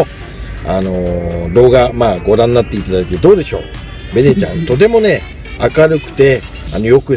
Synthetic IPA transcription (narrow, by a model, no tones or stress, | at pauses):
ano̞d̪o̞ːɡamaːɡo̞ɾãnːat̪ːeit̪ad̪akit̪ːed̪o̞ːd̪e̞ɕo̞̰ː | be̞ne̞t͡ɕã̰nt̪o̞t̪̬e̞mo̞ne̞ | akaɾɯ̟kɯ̟̥t̪e̞ | ano̞jo̞kɯ̟